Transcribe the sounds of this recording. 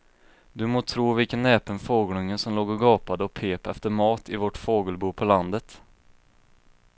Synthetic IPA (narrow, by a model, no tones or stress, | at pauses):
d̪ɵmoːt̪ʰɾuːvɪlkənːɛːpənfoːɡlɵŋənsɔmloːɡɔɡɑːpad̪əɔpʰeːpɛft̪əɾmɑːt̪ʰɪvɔʈːfoːɡəlbuːpʰɔland̪ət̪